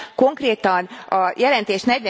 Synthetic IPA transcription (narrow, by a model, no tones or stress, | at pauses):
ko̞ŋkreːt̪ɒnɒjɛlɛnt̪eːʃnɛɟʋɛ